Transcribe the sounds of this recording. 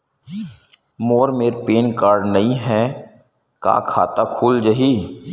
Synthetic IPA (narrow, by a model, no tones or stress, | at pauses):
moːɾmeːɾpeːnkaːɾɖnɐɦĩɦɛː | ka̰ːkʰa̰ːt̪akʰuːld͡ʒɐɦiː